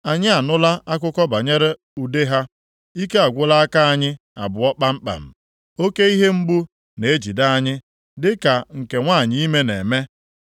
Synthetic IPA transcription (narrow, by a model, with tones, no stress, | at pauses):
a˨ɲɪ˦a˨nʊ˦la˦ʔa˦k̬ʷʊ˦kɔ˦ba˨ɲe˦ɾe˦ | u˨de˦ɦa˦ | i˦ke˦a˨ɡʷʊ˦la˦a˦ka˦a˦ɲɪ˦ | a̰˨bʊ˨ɔ˦k͡pa˦m̩˦k͡pa̰˨m̩˨ | o˦ke˦i˦ɦe˦m̩˦bu˦ | ne˨e˦d͡ʒi˨da˦a˦ɲɪ˦ | dɪ˦ka˨ŋ̩˨ke˨ŋʷa˦˨ɲɪ˦i˦me˦ne˨me˦